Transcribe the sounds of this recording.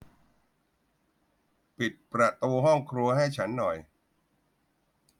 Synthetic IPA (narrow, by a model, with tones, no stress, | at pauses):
pi˨˩t̪̚pɾa˨˩t̪uː˧ɦɔ˥˩ŋkʰɾu˧ɐɦa˥˩jt͡ɕʰa˦˥nːɔ˨˩j